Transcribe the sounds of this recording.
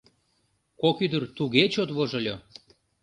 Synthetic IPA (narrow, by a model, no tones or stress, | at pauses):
kokyd̪ərt̪uɣet͡ɕot̪βoʒɤ̆lʲo